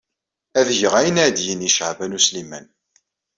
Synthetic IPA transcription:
æðʝəʁæjənæd̪jəniʃəʕvænuslimæn

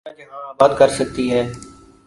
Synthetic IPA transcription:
ãd͡ʒeːɦaːaːbaːd̪̚kəɾsək̚t̪iːɦɛː

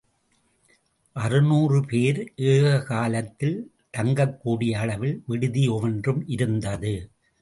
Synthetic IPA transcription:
ʔɐrɯnuːrɯpeːɾʔeːɣɐkaːlɐt̪ːɪl | t̪ɐŋɡɐkːuːɽɪjɐːɭɐʋɪlʋɪɽɯðiɔʋɐndrɯmʔɪɾɯnd̪ɐðɯ

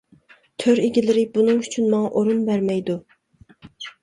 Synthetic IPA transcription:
t̪ʰøɾeɡʲilɪɾɪbunɨŋyt͡ʃʰynmɑŋɑʔoɾunbæɾmɛjd̪u

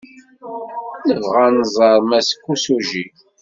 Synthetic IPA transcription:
nəvʁanzˤɑɾˤmæsə̥kːusuʒi

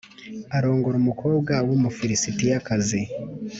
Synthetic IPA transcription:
aɾo̞ːŋɡoɾumukʰo̞ːbɡawomufiɾisitijakazi

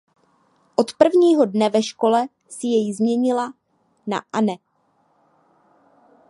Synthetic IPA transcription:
ʔot̪pr̩vɲiːɦo̞dnɛvɛʃko̞lɛ | sɪjɛjzmɲɛɲɪla | na̰ʔanɛ

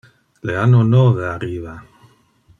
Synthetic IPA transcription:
leanonoβeariβa

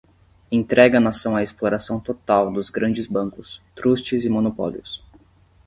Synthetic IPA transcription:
ẽt̪ɾʔɛɡɐnasɐ̃w̃ɐesploɾasɐ̃w̃t̪ot̪awd̪ʊzɡɾɐ̃d͡ʒɪzbɐ̃ŋkʊst̪ɾust͡ʃɪzɪmonopɔ̰lḭʊs

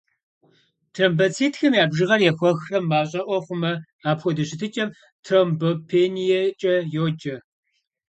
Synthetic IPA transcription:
tʰrɐmbɐt͡sʰiːtʰxɐmjaːbʒɨʁɐrjɛxʷɔxrɐmːaːɕʼɐʔʷɔχʷʊmɐ | aːpxʷɔdɨɕɪtʰɨt͡ʃʼɐm | tʰrombopʰeːnijɛt͡ʃʼɐjoːd͡ʒɐ

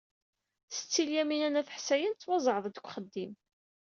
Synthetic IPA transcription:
sə̥t͡sːiljæminænæθə̥ħsæjənt͡sːwɑzˤəʕðˤd̪əkʷːχəd̪ːim

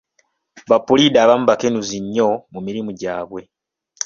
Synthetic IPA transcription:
βapːulidaːβamuβakenuziɲːo̞mumiɾimuɟaːβwe̞

